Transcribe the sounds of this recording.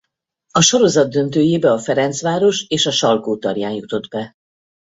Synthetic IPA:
ɒʃo̞ɾo̞zɒd̪̚d̪ːø̞nt̪øːjeːbɛɒfɛɾɛnt̪sʋaːɾo̞ʃeːʃɒʃɒlkoːt̪ɒrjaːnjut̪o̞d̪bɛ

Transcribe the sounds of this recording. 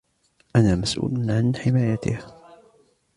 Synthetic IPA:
ʔanaːmasʔṵːlʊnʕanħɪmaːjat̪ɪ̰h

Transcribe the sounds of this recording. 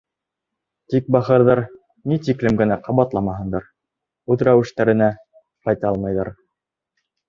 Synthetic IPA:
t̪ik̚bɑχɤ̆ɾðɑɾ | nit̪̬iklɘmɡɘ̆næqɑβɑt̪lˠɑmɑɦɤ̆nd̪ɑɾ | ʉðɾæwɘ̆ʃt̪æɾɘ̆næ | qɑjt̪ɑɑlˠmɑjðɑ̰ɾ

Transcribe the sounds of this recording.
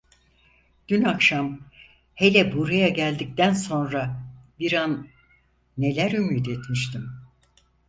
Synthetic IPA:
ɟ̥ynakʃam | he̞lʲɛbuɾajaɟælʲd̪ic̚t̪ænso̞nɾabiɾanː | e̞lʲæɾymiːd̪et̪miʃt̪ʰim

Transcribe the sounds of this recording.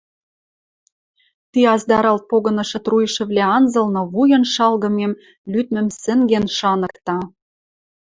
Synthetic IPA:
t̪iɑzd̪ɑɾɑlt̪̚poɣɤ̆nɤ̆ʃɤ̆t̪rujʃɘ̆βlʲæɑnzɤ̆lnŏβujɤ̆nʃɑlɣɤ̆mem | lyt̪mɘ̆msɘ̆ŋɡenʃɑnɤ̆kt̪ɑ

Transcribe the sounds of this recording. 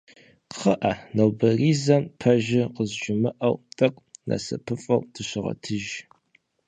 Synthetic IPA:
χəʔɐnɐwbɐriːzɐmpʰɐʒɪqəzʒʊmɨʔɐwtʼɐkʷʼnɐ̰sɐ̰pʰɨfʼɐ̰wdʰɨɕʷɪʁɐ̰tʰɨʒ

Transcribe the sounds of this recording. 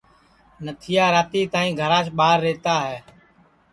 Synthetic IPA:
nət̪ʰɪjaːɾaːt̪iːt̪aːĩːɡʱəɾaːʃɓaːɾːeːt̪aːɦɛː

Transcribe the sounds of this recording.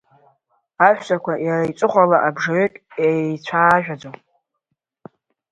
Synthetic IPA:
aʃʷᶣsʼakʷʰajarait͡sʼʊχʷalaʔabʐaetʼjajt͡ɕʷʰaːʒᶣad͡zow

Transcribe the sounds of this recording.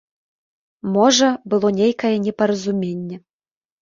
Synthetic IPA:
mɔʐɐbɨlˠɔnʲejkɐjɛnʲɛpɐɾɐzumʲenʲːɛ

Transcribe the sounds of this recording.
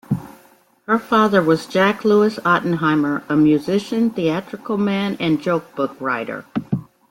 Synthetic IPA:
hə˞fɑðə˞wʌzd͡ʒækluəsɑʔn̩ɦãɪ̃mə˞əmjʉzɪʃɨ̃nθiæt͡ʃɹ̥ɨkl̩ˠmæ̃nɨ̃nd͡ʒoʊk̚b̥ʊkɹaɪɾə̰˞

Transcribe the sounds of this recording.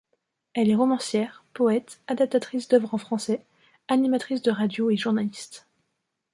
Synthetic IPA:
ɛlɛʁɔmɑ̃sjɛːʁpɔɛt̪ad̪ap̚t̪at̪χisd̪œvʁɑ̃fχɑ̃sɛ | animat̪χis̬d̪əʁad̪joeʒuʁnalist̪

